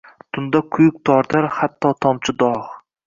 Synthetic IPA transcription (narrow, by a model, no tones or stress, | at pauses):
t̪ʰʊnd̪akʰʊjʊk̚ʲt̪ʰɒɾt̪ʰaɾhat̪ʰːɒt̪ʰɒmt͡ʃʰɪd̪ɒχ